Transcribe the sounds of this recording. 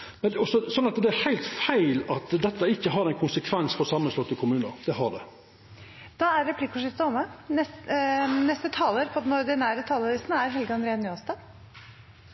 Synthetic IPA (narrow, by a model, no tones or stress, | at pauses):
mɛnɔsɔsɔnːɑt̪d̪ɛæɾhæɪlt̪fæɪlɑt̪d̪ɛt̪ːəɪkːəɦɑɾɛɪnkʰʊnsəkʰʋɛnsfɔsɑmːəslɔt̪ːəkʰʊmʉːnəd̪̥ɛhɑɖ̪ɛ̰ | d̪̥ɑæɾːɛpʰlɪkːʊʂɪft̪əɔmːənɛs | nɛst̪ət̪ʰɑːləɾpʰɔd̪ɛnɔɾd̪ɪnæːɾət̪ʰɑːləɾɪsnəæɾɦɛlɡəɑnd̪ɾeːənjyːɑst̪ɑ